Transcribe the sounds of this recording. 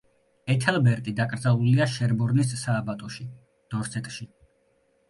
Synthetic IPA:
ɛt̪ʰɛlˠbɛɾk̪ʼid̪akʼɾd̪zalˠuliaʃɛɾbɔɾnisːaːbat̪ʼɔʃi | d̪̥ɔɾsɛt̪ʼʃi

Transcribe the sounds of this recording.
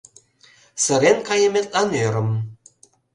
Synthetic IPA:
sə̆ɾenkɑjə̆met̪̚lɑnøɾə̆m

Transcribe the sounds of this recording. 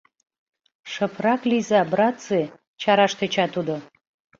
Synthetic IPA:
ʂəpʰrɑklizabrat͡se | t͡ʃʰaɾaʃt̪et͡ɕʰat̪ud̪ə

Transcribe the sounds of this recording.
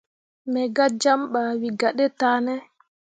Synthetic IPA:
mɛɡad͡ʒamɓaːwiɡaɗɛtaːnɛ

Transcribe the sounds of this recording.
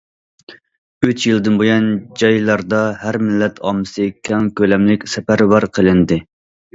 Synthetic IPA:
øt͡ʃjilˠd̪ɨnbujɑnd͡ʒɑjlˠɑɾd̪ɑhæɾmɪlːɛt̪ʰɑ̰ːmɨsɨkʲʰɛŋkʲølɛmlɪkʲsɛpæɾbɑɾqʰəlˠɪnd̪ɨ

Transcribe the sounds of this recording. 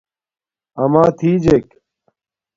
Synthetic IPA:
ɐmaːt̪ʰiːd͡ʑek

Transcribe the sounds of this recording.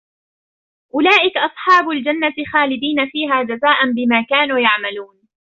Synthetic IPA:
ʔʊlaːʔɪkaʔɑsˤħɑːbʊld͡ʒanːaxaːlɪd̪iːnafiːɦaːd͡ʒazaːʔanbɪmaːkaːnuːjaʕmaluːn

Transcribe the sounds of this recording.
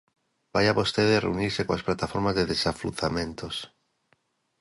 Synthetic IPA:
bajaβost̪eðeareuniɾsekoasplat̪afoɾmazðeðesaflṵθamẽnt̪os

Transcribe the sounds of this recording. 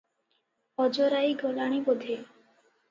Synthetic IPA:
ɔd͡ʑoɾajɡɔlaɽ̃ibod̪ʱe

